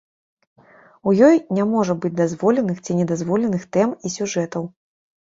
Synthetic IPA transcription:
ujɔjnʲamɔʐɐbɨd͡zʲd̪azvɔlʲɛnɨxt͡sʲinʲɛd̪azvɔlʲɛnɨxt̪ɛmisʲuʐɛt̪ɐw

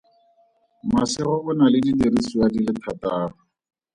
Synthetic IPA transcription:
masɪɣɔʔʊnalɪdidirisuadilɪtʰataːrʊ

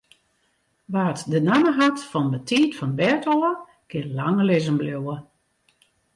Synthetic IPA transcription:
ʋaːtdənaməɦatfɔndətʰiːtfɔnbɛrtɔlə | kʰɪəlaŋəlɪzənblowə

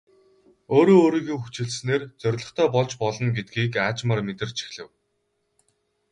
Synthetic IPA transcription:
oːɾoːoːɾiːɣɘ̆ŋxut͡ɕɘ̆ɮsneːrt͡sœɾʲɮɞ̆χt̪ʰœːpɔɮt͡ɕpɔɮɞ̆nɡet̪̚ɡiːkaːt͡ɕmărmet̪ɘ̆rt͡ɕʰi̥xɮɘ̆w

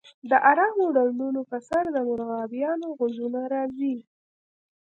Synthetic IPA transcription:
d̪əʔaɾɑmoɖalnunopəsaɾd̪əmʊɾɣɑbjɑnoɣʊzunaɾɑzi

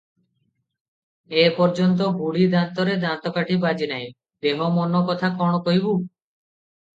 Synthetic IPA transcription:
epɔɾd͡ʒɔnt̪̬ɔɡuɽid̪ant̪ɔɾed̪ant̪ɔkaʈibad͡ʒinaj̃ | d̪emɔmɔnɔkɔt̪ʰakɔɽ̃ɔkɔɦibu

